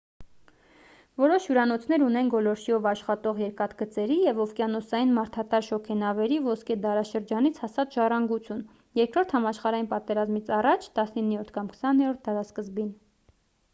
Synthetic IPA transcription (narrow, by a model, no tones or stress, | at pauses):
vɔɾɔʃjuɾɑnɔt͡sʰnɛɾunɛnɡɔlɔɾʃiɔvɑʃχɑt̪ɔʁjɛɾkɑt̪ɡət͡sɛɾijɛvɔfkjɑnɔsɑjinmɑɾt̪ʰɑt̪ɑɾʃɔkʰɛnɑvɛɾivɔskɛd̪ɑɾɑʃəɾd͡ʒɑnit͡sʰhɑsɑt̪ʒɑrɑŋɡut͡sʰjun | jɛɾkɾɔɾt̪ʰhɑmɑʃχɑɾɑjinpɑt̪ɛɾɑzmit͡sʰɑrɑt͡ʃʰt̪ɑsninːijɔɾt̪ʰkɑmkʰə̥sɑnɛɾɔɾt̪̚ʰd̪ɑɾɑskəzbin